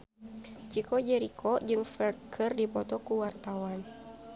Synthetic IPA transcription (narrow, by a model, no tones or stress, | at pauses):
t͡ʃikʰɔd͡ʒɛɾikʰɔd͡ʒɨŋfɛrt̪̚kʰərdipɔt̪ɔkuwart̪awan